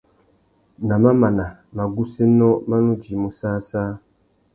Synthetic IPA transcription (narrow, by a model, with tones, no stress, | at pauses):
na˨ma˦ma˨na˨ | ma˨ɡu˦se˦nɔ˦ma˦nũ˦d͡ʒi˨mu˨saː˦saː˦